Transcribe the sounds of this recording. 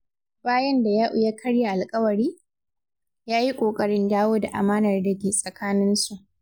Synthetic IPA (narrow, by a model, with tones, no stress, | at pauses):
baː˦jɐ˦nda˨jaː˦ʔʊ˨ja˦kʰɐ˦ɽja˨ʔa˨lkʼɐ˦wɐ˨ɽiː˦ | jaː˦ji˦kʷʼoː˨kʼɐ˦ɽɪ˦ndaː˦woː˦da˨ʔa̰˨maː˦nɐ˨rdɐ˦ɡʲeː˨sʼɐ˨kaː˦nɪ˦nsu˨ʔ